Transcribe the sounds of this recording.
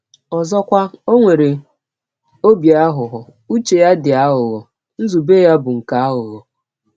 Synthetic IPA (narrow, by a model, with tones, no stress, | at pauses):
ɔ˨zɔ˦kʷa˦o˦ŋʷe˨ɾe˨ | o˦bja˦ɦʊ˨ɦʊ˨ | u˦t͡ʃe˨ja˦dɪ˨a˦ɦʊ˨ɣɔ˨ | n̩˦zu˨beː˦ja˦bʊ˨ŋ̩˨ka˨˦a˦ɦʊ˨ɣɔ˨